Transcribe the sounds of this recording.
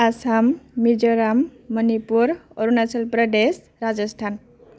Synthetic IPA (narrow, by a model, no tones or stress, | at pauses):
asamːid͡zʌɾamːʌnipuɾoɾunasʰʌlprʌd̪es | ɾad͡zʌsʈʰan